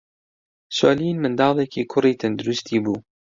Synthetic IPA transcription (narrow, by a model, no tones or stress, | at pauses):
soːlinmɨnd̪ɑːlˠekʰiːkʰʊriːt̪ʰɐnd̪ʊɾʊst̪iːbuː